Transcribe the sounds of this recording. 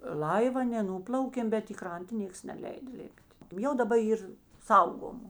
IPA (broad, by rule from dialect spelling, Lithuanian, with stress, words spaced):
ˈlˠɐɪw ɐ nʲɛ ˈnuːplˠɐʊkʲeːm bʲɛt ɪ ˈkrɐntɐ ˈnʲeːks nʲɛˈlʲɛɪdɐ ˈlʲɪpʲˈtʲ ˈjɛʊ dɐˈbɐ ˈiːr ˈsɐʊɡoːmʊ